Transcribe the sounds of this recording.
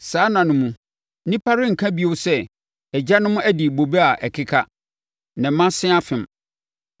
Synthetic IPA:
saː˨˦nã˨nʊ̃˨mũ˨˦ | nĩ˦pʰa˦ɾɪ˦ŋ̩˨kʰã˦bi˦o˨˦sɛ˦˨ | ɛ˨d͡ʑa˦nʊ̃˦mʊ̃˦æ˦di˨bo˨be˦a˨ʔɛ˨kʰɪ˦kʰa˦ | nã˨˦mã˦sɪ̃˦a˦fɪ̃˨m

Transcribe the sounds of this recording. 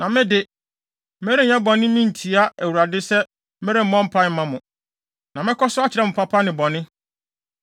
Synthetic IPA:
nã˨mɪ̃˦dɪ˦ | me˦ɾe˦ɲɛ̃˦bɔ̃˨nːɪ̃˦mĩ˦n̩˨tʰi˨˦a˦ʔæ˨wu˨ɾa˨dɪ˦sɛ˦ | me˦ɾe˦m̩˦mɔ̃˦m̩˦pʰa˦mã˦mʊ̃˨ | nã˨mɪ̃˦kʰɔ˦sʊ˦a˦t͡ɕʰɪ˨ɾɛ˦˨mʊ̃˨pʰa˦pʰa˦nɪ̃˨bɔ̃˨nɪ̃˦

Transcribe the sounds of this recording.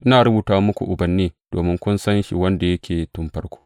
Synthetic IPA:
ʔɪ˦naː˨ɾʊ˦buː˨taː˦wa˦mʊ˦kʷṵ˨ʔʊ˨bɐ˨nːeː˦d̥o̰ː˨mɪ˦ŋkʷʊ˦nsɐ˦nʃḭ˨wɐ˦nda˨jɐ˦kʲʰeː˨tʊ˦mɸɐ˦rkʷo̥ː˦

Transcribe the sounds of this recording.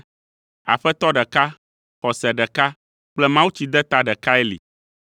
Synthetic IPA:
a̰˨ɸɛ˦t̪ɔ˦ɖɛ˨ka˦ | xɔ˨sɛ˨ɖɛ˨ka˦ | k͡plɛ˦mã˦wu˦t͡ɕi˨d̪ɛ˦t̪a˦ɖɛ˨ka˦ɛ˦lḭ˨

